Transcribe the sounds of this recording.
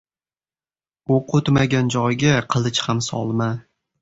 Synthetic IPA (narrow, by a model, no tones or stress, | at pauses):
oqʰʊt̪maɡʲand͡ʒɒjɡʲaqʰɨlˠɪt͡ʃhamsɒ̰lˠma